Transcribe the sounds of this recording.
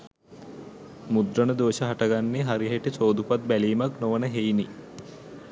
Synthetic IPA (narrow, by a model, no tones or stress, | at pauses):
mud̪ɾənəd̪oːʃəɦaʈaɡanːeɦaɾiɦeʈit͡ʃoːd̪upat̪̚bæliːmaknoʋənəɦejni